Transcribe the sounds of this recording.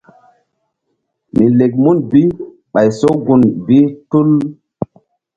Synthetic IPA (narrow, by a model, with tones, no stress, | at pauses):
mi˨le˨ɡ̚mu˦nbi˦ | ɓa˨jso˦ɡu˨nbi˦tu˦l